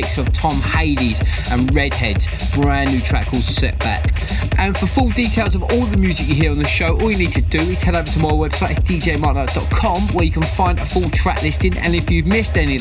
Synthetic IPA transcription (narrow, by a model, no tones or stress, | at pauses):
ɪksəv̥tʰɒ̃mheɪdiz̥ʔə̃nɹɛd̥̚hɛdz̥ | b̥ɹãnːʉtʰɹ̥a̰ʔkʰɔːd̥sɛ̰ʔ̚b̥a̰k | ʔə̃nfəfʊlˠdiˑtʰeɪlˠzəvɔːlˠðəmjʉːzɪkjəɦɪəɹə̃nðəʃəʊʔɔːlˠjəniːd̚tʰədəɪz̥hɛɾəvətʰəmaɪwɛb̥saɪtɪzd̥iːd͡ʒeɪmɑʔaʔd̥ɒʔkʰɒ̃mwəjəkʰə̃nfãɪ̃ndəfʊlˠtʰɹ̥a̰ʔlɪstɪ̃ŋʔə̰̃nɪfjɨvmɪstɛni